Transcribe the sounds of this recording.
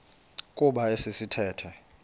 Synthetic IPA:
kʼuɓaesisitʰɛːtʰɛ

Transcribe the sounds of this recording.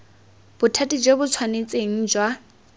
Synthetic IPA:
b̥ʊtʰatʼid͡ʒwebʊt͡sʰwanet͡sʼeŋ̩d͡ʒwa

